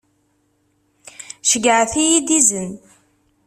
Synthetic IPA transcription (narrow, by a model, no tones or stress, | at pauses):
ʃəɡəʕθijid̪izən